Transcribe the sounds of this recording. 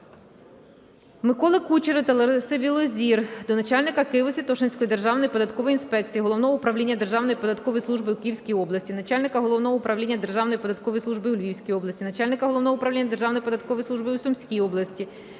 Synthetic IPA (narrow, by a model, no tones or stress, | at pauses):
mɪkɔlˠɐkut͡ʃeɾɐt̪ɐlˠeɾsɪbʲilˠɔzʲird̪ɔnɐt͡ʃɑlʲnɪkɐkɪjʋɔsʲit̪ɔʃenʲsʲkɔjid̪erʒɑwnɔjipɔd̪ɐt̪kɔʋɔjinspɛk̚t͡sʲijiɦɔlɔwnɔɦɔʊpɾɐwlʲinʲːɐd̪erʒɑwnɔjpɔd̪ɐt̪kɔʋɔjslˠuʒbɪukɪjiwsʲkʲijɔblˠɐsʲtʲinɐt͡ʃalʲnɪkɐɦɔlˠɔʋwnɔɦɔʊpɾɐwlʲinʲːɐd̪erʒɑwnɔjpɔd̪ɐt̪kɔʋɔjslˠuʒbɪulʲʋʲiwsʲkʲijɔblˠɐsʲtʲinɐt͡ʃalʲnɪkɐɦɔlˠɔwnɔɦɔʊpɾɐʋlʲinʲːɐd̪erʒɑwnɔjpɔd̪ɐt̪̚kɔʋɔjsˠuʒbɪusɔmsʲkʲijɔblˠɐsʲtʲi